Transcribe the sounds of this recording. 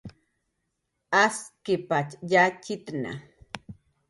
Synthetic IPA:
askipat͡ʃjat͡ʃit̪na̰

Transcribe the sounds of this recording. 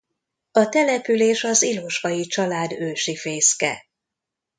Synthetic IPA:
ɒt̪ɛlɛpyleːʃɒziloʃʋɒjit͡ʃɒlaːd̪øːʃifeːskɛ̰

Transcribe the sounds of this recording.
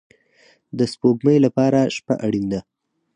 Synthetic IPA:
d̪əspoɡməjlapɑɾaʃpa̰ʔaɽind̪a

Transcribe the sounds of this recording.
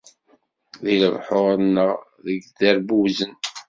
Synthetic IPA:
ðiləvħoɾˤənːəʁ | ðəɡd̪əɾbuzən

